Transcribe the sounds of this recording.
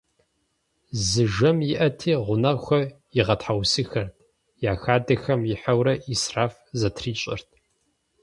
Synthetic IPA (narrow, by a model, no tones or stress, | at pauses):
zɨʒɐmjɪʔɐtʰiːʁʷʊnɐxʷɐ | jɪʁɐtħawsɨxɐrtʰ | jaːxaːdɐxɐmjɪħawɾɐʔisraːfzɐtʰriːt͡ʃʼɪ̰rt̚ʰ